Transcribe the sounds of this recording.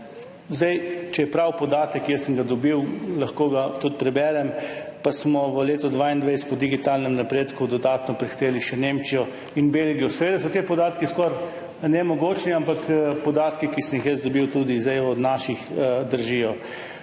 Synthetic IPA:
zd̪ɛjt͡ʃɛjɛpɾawpɔd̪aːt̪əkjɛsəŋɡad̪ɔbiwlɐxkoːɡat̪ut̪̚pɾɛbɛːɾɛmpasmɔʋəleːt̪ɔd̪ʋaind̪ʋɛjspɔd̪iɡit̪alnɛmnapɾeːt̪kud̪ɔd̪aːt̪nɔpɾixt̪eːliʃɛnemt͡ʃijɔ | inbelɡijɔsɛʋeːd̪asɔt̪epɔd̪aːt̪kiskɔɾ | nɛmɔɡoːt͡ʃniampakpɔd̪aːt̪kikisəmjixjɛzd̪ɔbiwt̪ud̪izd̪ɛjɔd̪naʃixd̪əɾʒijɔ

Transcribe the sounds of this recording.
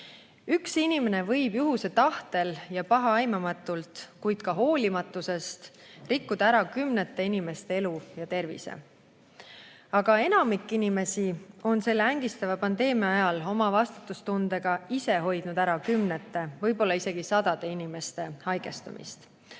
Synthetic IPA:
yksinime̞ne̞vɤ̞jbjuɦuse̞t̪ɑht̪e̞ljɑpɑɦɑɑjmɑmɑt̪ːˑult̪kujd̪̥kɑɦo̞ːlʲimɑt̪ːˑuse̞st̪rikːud̪̥ɑæɾɑkymnet̪ːe̞inime̞st̪e̞e̞lujɑt̪e̞rvḭse̞̰ | ɑɡ̥ɑe̞nɑmikːinime̞sio̞nse̞lːæŋɡ̥ist̪ɑvɑpɑnd̪e̞ːmiɑɑjɑlo̞mɑvɑst̪ut̪ːˑust̪und̪̥e̞ɡ̥ɑise̞ɦo̞jd̪̥nud̪æɾɑkymnet̪ːˑe̞vɤ̞jbo̞lːɑise̞ɡ̥isɑd̪ɑd̪̥e̞inime̞st̪e̞hɑjɡ̥e̞st̪ṵmḭst̪

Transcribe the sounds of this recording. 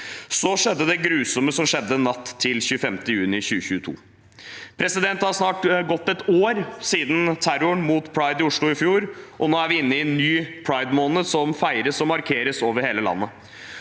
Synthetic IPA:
sɔʂɛd̪ːəd̪ɛɡɾʉːsɔməsɔmʂɛd̪ːənɑt̪ʰːɪlçʉːəfɛmt̪əɪjʉːnɪçʉːəçʉːət̪ʰṵː | pʰɾɛsɪd̪ɛnt̪hɑɾsnɑːʈɡɔt̪ːɛt̪oːɾsiːd̪n̩t̪ʰæɾʊɳmuːt̪pʰɹɑɪd̪ɪʊʂɭʊɪfjuːɾʔɔnoːæɾʋɪɪnːəɪnːyːpʰɹɑɪd̪monəsɔmfæɪɾəsɔmɑɾkʰeːɾəsoːʋəɾheːləlɑ̰nːə

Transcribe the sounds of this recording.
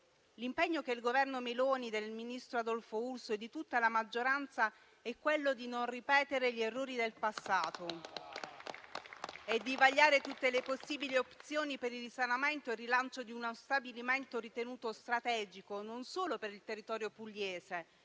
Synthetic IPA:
limpɛɲːokeilɡovɛrnomiloːnid̪elminist̪ɾoad̪ɔlfoulsoɛd̪ːit̪ut̪ːalamad͡ʒːoɾant̪sa | ɛkːwelːod̪inonripɛːt̪eɾeʎerːoːɾid̪elpasːaːt̪o | ɛd̪ːivaʎːaːɾet̪ut̪ːeleposːiːbiliopt̪sjoːnipeɾilrisanament̪oɛrːilant͡ʃod̪iunawst̪abiliment̪oɾit̪enuːt̪ost̪ɾat̪ɛːd͡ʒikononsoːlopeɾilt̪erːit̪ɔːɾjopulːjɛːse

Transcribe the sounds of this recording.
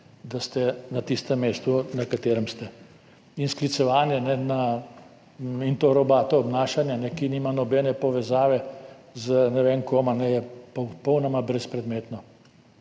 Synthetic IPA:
d̪ast̪ɛnat̪ist̪ɛmːeːst̪unakat̪eːɾɛmst̪ɛ | insklit̪sɛʋaːnjɛnɛna | int̪oːɾɔbaːt̪ɔːbnaːʃanjanɛkiniːmanɔbɛnɛpɔʋɛzaːʋɛzənɛʋeːŋkoːmanɛjɛpɔpɔwnɔmabɾɛspɾɛd̪meːt̪nɔ

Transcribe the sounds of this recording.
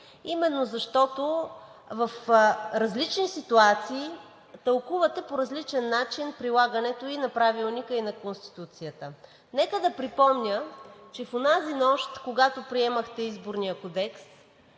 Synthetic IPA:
imɛnːozɐʃt̪ɔt̪o | vɐfɾɐzlit͡ʃnisit̪uat̪siː | t̪ɐlˠkuvɐt̪ɛpoɾɐzlit͡ʃɛnːat͡ʃinpɾilˠaɡənɛt̪oinɐpɾavilˠnikəinɐkonst̪i̥t̪ut̪sijət̪ə | nɛkəd̪ɐpɾipɔmnʲət͡ʃɛfonazinɔʃt̪koɡat̪opɾiɛməxt̪ɛizboɾnijəkod̪ɛks

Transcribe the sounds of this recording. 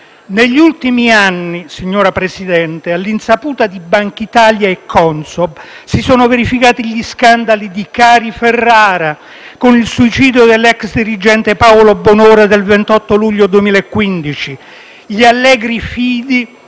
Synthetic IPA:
neʎːult̪imianːisiɲːoːɾapɾesid̪ɛnt̪ealːinsapuːt̪ad̪ibaŋkit̪aːljaekʰːɔnsɔbsisɔːnoveɾifikaːt̪iʎiskand̪alid̪ikaːɾiferːaːɾa | konilsuit͡ʃiːd̪jod̪elːɛksd̪iɾid͡ʒɛnt̪epawlobonoːɾad̪elvent̪ɔt̪ːoluʎːod̪uemiːlaekːwind̪it͡ʃi | ʎialːɛːɡɾifiːd̪i

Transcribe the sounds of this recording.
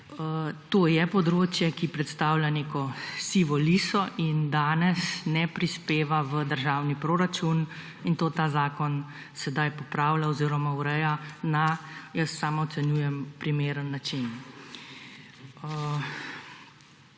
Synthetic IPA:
ət̪oːjɛpɔd̪ɾoːt͡ʃjɛkipɾɛt̪st̪aːwlʲjaneːkɔsiːʋɔliːsɔʔind̪aːnɛsnɛpɾispeːʋaʋəd̪əɾʒaːwnipɾoːɾat͡ʃun | int̪oːt̪aːzaːkɔn | sɛd̪ajpɔpɾaːwlaɔziːɾɔmauɾɛjanajəsːaːmaɔt̪sɛnjuːjɛmpɾimeːɾənːat͡ʃin

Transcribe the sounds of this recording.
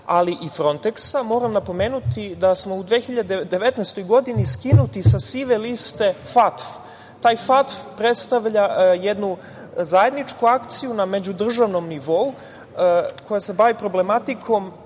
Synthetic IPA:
aliʔifɾo̞nt̪eksamo̞ːɾamnapo̞me̞ːnut̪id̪asmo̞ud̪ʋexiʎad̪ed̪e̞ʋet̪nɛst̪o̞jɡo̞d̪iniskinut̪isasiʋelist̪e̞fat̪f | t̪aːjfat̪fpɾet̪st̪aʋʎaje̞d̪nu | zaje̞d̪nit͡ʃkuakt̪sijuname̞d͡ʑud̪r̩ʒaʋno̞mniʋo̞u | kʰo̞jase̞baʋipɾo̞ble̞mat̪ikʰo̞m

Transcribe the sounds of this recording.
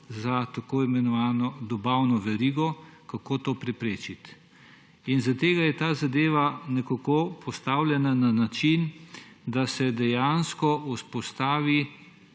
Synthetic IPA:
zat̪akoːimɛnɔʋaːnɔd̪ɔbawnɔʋɛɾiːɡɔkakoːt̪oːpɾɛpɾeːt͡ʃit̪ | inzat̪eːɡajɛt̪aːzad̪eːʋanɛkakopʰɔst̪aːwlʲjɛnananat͡ʃin | d̪asɛd̪ɛjanskɔuspɔst̪aːʋi

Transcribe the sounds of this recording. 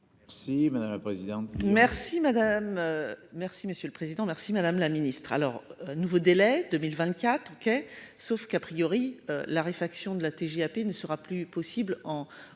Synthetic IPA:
ʁsimad̪amlapχezid̪ɑ̃t̪mɛʁsimad̪amøːɛʁsiməsjøləpχezid̪ɑ̃mɛʁsimad̪amlaminist̪χa̰lɔʁnuvod̪elɛd̪ømilvɛ̃t̪kʲat̪χokʲesofkapχijɔʁiølaʁefaksjɔ̃d̪əlat̪eʒeapenəsəʁaplypɔsiblɑ̃

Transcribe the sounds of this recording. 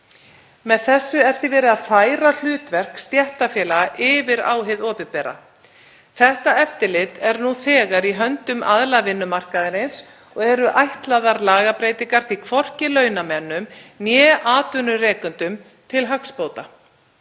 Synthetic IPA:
mɛðθɛsːʏɛɾ̥θivɛːɾɪðaðfaːjɾal̥ʏːt̪vɛr̥kst̪jɛht̪afjɛːlaɣaʔɪːvɪɾa̰ːwɦɪðɔːpɪpɛːɾa̰ | θɛht̪aɛft̪ɪlɪt̪ɛɾnuθɛːɣaɾiɦœnt̪ʏmaðlavɪnːʏmar̥kaðɪɾɪns | ɔɣɛɾʏʔajht̪laðaɾlaːɣapɾeːjt̪iŋkaɾ̥θikʰvɔr̥cɪlœːɥnamɛnːʏmnjɛːʔaːt̪ʏnʏrɛːkʏnt̪ʏm | t̪ʰɪlɦakspoːwt̪a

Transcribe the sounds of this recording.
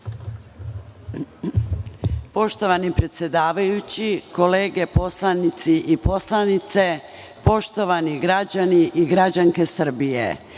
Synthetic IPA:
po̞ʃt̪o̞ʋanipɾet̪sʲje̞d̪aːʋajut͡ɕiko̞le̞ːɡe̞po̞slˠanit̪siʔipo̞slˠanit̪se̞ | po̞ʃt̪o̞ʋaniɡɾad͡ʑaniʔiɡɾad͡ʑaŋke̞sr̩bijḛ

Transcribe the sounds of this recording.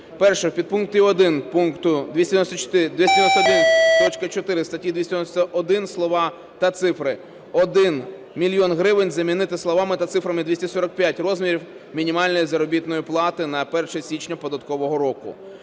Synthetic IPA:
pɛrʃɛpʲid̪̚punk̚t̪ʲiɔd̪ɪnpunkt̪ʊd̪ʋʲisʲt̪ʲjd̪ʲnɔsʲt̪ɔt͡ʃɔ̥t̪ɪd̪ʲʋʲist̪ʲd̪ʲnɔsʲt̪ɐd̪ɛʋʲtʲt̪ɔt͡ʃkɐt͡ʃɔt̪ɪɾɪst̪ɐtʲːid̪ʲʋʲisʲd̪ʲnɔsʲt̪ɐʔɔd̪ɪnslˠɔʋɑ | t̪ɐt̪sɪfɾɪ | ɔd̪ɪn | mʲilʲjɔnɦɾɪʋɪnʲzɐmʲinɪt̪ɪslˠɔʋɑmɪt̪ɐt̪sɪfɾɐmɪd̪ʲʋisʲtʲɛsɔɾɐk̚pʲjatʲrɔzʲmʲiɾʲiw | mʲinʲimɑlʲnɔjizɐɾɔbʲit̪nɔjiplˠɑt̪ɪnɐpɛrʃɛsʲit͡ʃnʲɐpɔd̪ɐt̪kɔʋɔɦɔɾɔkʊ̰

